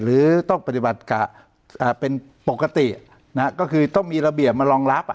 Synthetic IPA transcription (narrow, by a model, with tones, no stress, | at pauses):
ɾɯː˩˦t̪ɔ˥˩ŋpa˧t̪i˨˩ba˨˩t̪̚ka˨˩ | ʔaː˨˩pe˧n | po˨˩ka˧t̪i˨˩ʔ | na˦˥kɔː˥˩kʰɯː˧t̪ɔ˥˩ŋmiː˧ɾa˧bi˨˩əp̚maː˧lɔː˧ŋɾa˦˥p̚